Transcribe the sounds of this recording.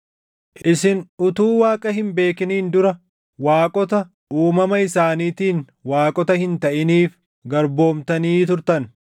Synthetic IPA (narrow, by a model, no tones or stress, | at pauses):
ʔɪsɪnʊt̪uːwaːkʼɐɦɪmbe̞ːkɪniːnd̪ʊɾɐ | waːkʼɔt̪ɐ | uːmɐmɐɪsaːniːt̪iːn | waːkʼɔt̪ɐhɪnt̪ɐʔɪniːf | ɡɐɾbo̞ːmt̪ɐniːt̪ʊɾt̪ɐn